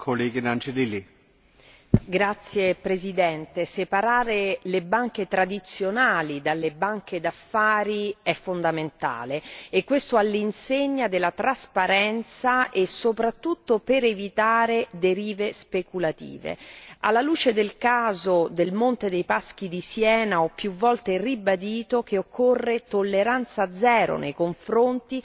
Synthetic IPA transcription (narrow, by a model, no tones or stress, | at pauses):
kʰoleɡinant͡ʃelili | ɡɾat̪sːjepɾezid̪ɛnt̪esepaɾaːɾelebaŋk̟et̪ɾad̪it̪sjonaːlid̪alːebaŋked̪afːaːɾiɛfːond̪ament̪a̰ːleekːwest̪oalːinseɲːad̪elːat̪ɾaspaɾɛnt̪saʔesːopɾat̪ːut̪ːopeɾevit̪aːɾed̪eɾiːvespekulat̪ḭːvḛa̰lːaluːt͡ʃed̪elkaːzod̪elmont̪ed̪ejpask̟id̪isjɛːnaɔpːjuvːɔlt̪eribad̪iːt̪ok̟eokʰːorːet̪olːeɾant̪sad̪zɛːɾo̰nʔejkoɱfɾont̪i